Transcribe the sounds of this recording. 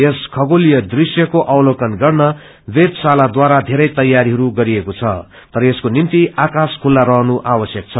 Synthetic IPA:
eskʰʌɡolijʌd̪risjʌkoʔawlokʌnɡʌrnʌ | bet̪salad̪waɾad̪ʱeɾʌjt̪ʌjːaɾiɦʌɾuɡʌɾiekot͡sʰʌ̰ | t̪ʌɾʌeskonimt̪iakaskʰulːaɾʌɦnuʔawʌsjʌk̚t͡sʰʌ

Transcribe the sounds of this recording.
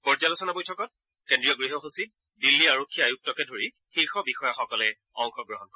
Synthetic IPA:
pɔɹzalɔsɔnabɔjtʰɔkɔt̚ | kendɹijɔɡɹiɦɔxusit̚ | dilːiaɹokʰːijaajuk̚tɔkɛdʱoɹi | xiɹxɔbixɔjɔxɔkɔlɛ | ɔŋxɔɡɹɔɦɔnkɔɛ

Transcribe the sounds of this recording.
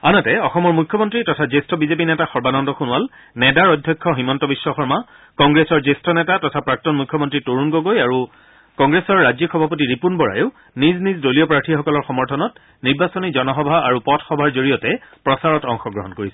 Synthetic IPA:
anɔtɛɔxɔmɔɹmukʰːɔmɔntɹitɔtʰazestɔbizepinɛtaxɔɹbanɔndɔxunʊwal | nɛdaɹɔdʱjɔkʰːɔximɔntɔbisːɔxɔɹma | kɔŋɡɹesɔɹzestɔnɛtatɔtʰapɹak̚tɔnmukʰːɔmɔntɹitoɹunɡoɡojaɹu | kɔŋɡɹesɔɹːazixɔbʱapotiɹipunbɔɹa̰jʊʊ | niznizdoliɔpɹaɹtʰixɔkɔlɔɹxɔmɔɹtʰɔnɔt̚ | niɹbasɔnizɔnɔxɔbʱaaɹupɔtʰxɔbʱaɹzoɹijɔtɛpɹɔsaɹɔtɔŋxɔɡɹɔ̰ɦɔnkoɹisɛ

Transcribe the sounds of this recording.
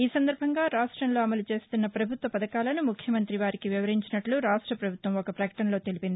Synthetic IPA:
iːsɐnd̪ɐɾbʱɐŋɡaːɾaːʂʈɾɐnlo̞ːɐmɐlut͡ʃe̞ːst̪unːɐpɾɐbʱut̪ʋɐpɐd̪ɐkaːlɐnumukʰjɐmɐnt̪ɾiʋaːɾikiʋiʋɐɾiɲt͡ʃinɐʈluɾaːʂʈɾɐpɾɐbʱut̪ʋɐmɔkɐpɾɐkɐ̥ʈɐnlo̞ːt̪elipind̪i

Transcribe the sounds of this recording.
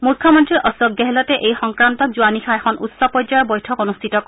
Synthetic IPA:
mukʰːɔmɔntɹiɹʔɔsɔɡjɛɦɛlɔtɛʔejxɔŋkɹantɔkzuanixʰaɛxʰɔnutsɔpɔzɔjɔɹbɔjtʰɔkonustʰitɔk

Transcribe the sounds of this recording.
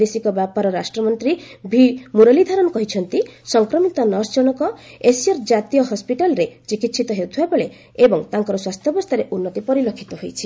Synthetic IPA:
esikɔbjapaɾɔɾasʈɾɔmɔnt̪ɾibʱimuɾɔlid̪ʱaɾɔnɔkɔɦit͡ʃʰɔnt̪isɔŋkɾɔmit̪ɔnɔɾsd͡ʒɔnɔkɔesijɔɾd͡ʒat̪ijɔɦɔspiʈalɔɾet͡ʃikit̪sʰit̪ɔɦewt̪ʰiabɔɭe | ebɔŋt̪aŋkɔɾɔswast̪ʰjɔbɔst̪ʰaɾeʔunːɔt̪ipɔɾilokʰːit̪ɔɦojt͡ʃʰi̥

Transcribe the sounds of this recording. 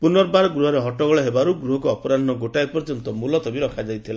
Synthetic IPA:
punɔɾbaɾɔɡɾuɦɔɾeɦɔʈɔɡɔɭɔɦebaɾuɡɾuɦɔkuɔpɔɾand̪ʱnɔɡoʈaepɔɾd͡ʒɔnt̪ɔmulɔt̪ɔbiɾɔkʰad͡ʒajt̪ʰila

